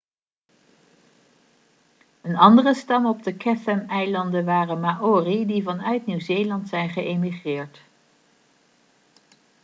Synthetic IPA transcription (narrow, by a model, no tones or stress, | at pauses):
ənɑndərəstɑmɔb̚dəkɛfɛmɛjlɑndənʋaːrənmaʔoːridivɑnœɥtniwzeːjlɑntsɛjnχəʔemiχrɪːɹt